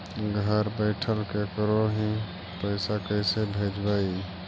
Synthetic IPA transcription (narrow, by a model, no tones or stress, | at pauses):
ɡʱəɾbəɪʈʰəlkekəɾoɦĩ | pəɪsakəɪsebʱeːd͡ʒbaːi